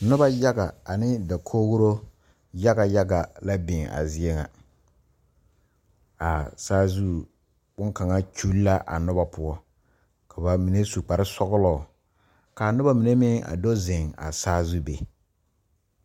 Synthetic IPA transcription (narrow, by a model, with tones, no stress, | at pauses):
nʊ˦ba˦ja˦ɡa˨a˨nɪ˦da˨kʰoː˦ɡʊ˦ɾo˦ | ja˦ɡa˨ja˦ɡa˨la˦bɪ˨ŋa̰˨zɪ˦ɛ˦ŋa̰˨ | a˨saː˦zu˦ | bʊ˦ŋka˨ŋa˦t͡ʃu˦lla˦ʔa̰˨nʊ˦ba˨pʊ˦ɔ˦ | kʰa˨ba˨mi˨ne˦su˨k͡pa˨ɾɪ˦sɔ˦ɣʊ˦lɔː˨ | ka˨nʊ˦ba˦mi˨ne˦mɪ˦ŋa̰˨do˦zɪ˨ŋa̰˨saː˦zu˦be˨